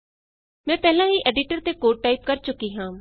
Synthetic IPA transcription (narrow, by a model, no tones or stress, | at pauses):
mɛ̃ːpɛːlãːɦiːʔɛːɖɪʈəɾt̪eːkoːʈ̚ʈaːiːp̚kəɾt͡ʃʊkːiːɦãː